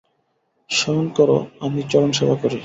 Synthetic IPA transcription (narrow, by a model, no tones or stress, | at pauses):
ʃɔɦonkɔɾo̰amit͡ɕɔɾonʃɔbʱakoɾi